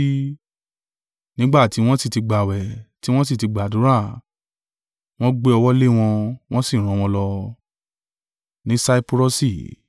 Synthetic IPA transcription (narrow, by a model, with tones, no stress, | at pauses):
nĩ˦ɡ͡ba˦˨ti˨˦w̃ɔ̃˦si˦˨ti˧ɡ͡ba˨wɛ˨ti˦w̃ɔ̃˦s̬i˦˨ti˧ɡ͡ba˨du˨˦ɾa˦˨ | w̃ɔ̃˦ɡ͡be˦ɔ˧wɔ˦le˦w̃ɔ̃˧w̃ɔ̃˦si˦˨ɾ̃ɔ̃˨˧w̃ɔ̃˧lɔ˧ | nĩ˨˦sa˦i˦pɾo˦si˦˨